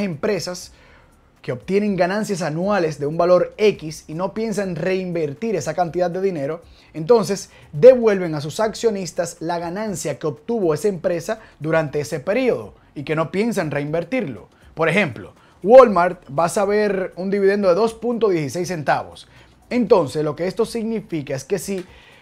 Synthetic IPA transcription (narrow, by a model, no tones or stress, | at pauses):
empɾe̞sas | keo̞bt̪je̞ne̞ŋɡanãnsjas̬anwale̞sd̪e̞umbalo̞ɾe̞kisino̞pje̞ns̬aŋre̞imbe̞ɾt̪iɾe̞sakant̪iðad̪̚d̪e̞ðine̞ɾo̞ | e̞nt̪o̞ns̬e̞s | d̪e̞βwe̞lβe̞ŋas̬usaksjonist̪aslaɣanãnsjake̞o̞b̚t̪uβo̞e̞saempɾe̞saðuɾant̪e̞ese̞pe̞ɾio̞ðo̞̰ | ike̞no̞pje̞ns̬aŋre̞imbe̞ɾt̪iɾlo̞̰ | po̞ɾe̞xe̞mplo̞ | wolmaɾt̪basaβe̞ɾund̪iβiðe̞nd̪o̞ðe̞ðo̞spunt̪oðje̞sise̞jsːent̪aβo̞̰s | e̞nt̪o̞nse̞slo̞ke̞est̪o̞siɣnifikae̞ske̞si